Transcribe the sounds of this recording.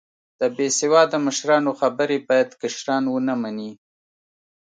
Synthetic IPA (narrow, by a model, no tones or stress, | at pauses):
d̪̥əbesɪwɑd̪əməʃɾɑnoxabəɾebɑjad̪kaʃɾɑnwənamani